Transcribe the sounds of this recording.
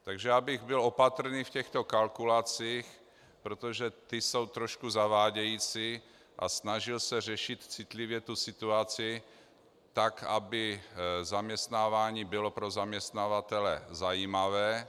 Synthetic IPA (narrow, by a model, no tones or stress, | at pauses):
t̪aɡʒɛabɪɣbɪlo̞pat̪r̩niːfcɛxt̪o̞kalkulat͡siːx | pɾot̪oʒɛt̪ɪso̞wt̪ɾoʃkuzavaːɟɛjiːt͡siː | ʔa̰snaʒɪlsɛrɛʃɪt̪t͡sɪt̪lɪvjɛt̪usɪt̪uat͡sɪ | t̪akabɪzamɲɛst̪naːvaːɲiːbɪlo̞pɾo̞zamɲɛst̪navat̪ɛlɛ̰zajiːmavɛː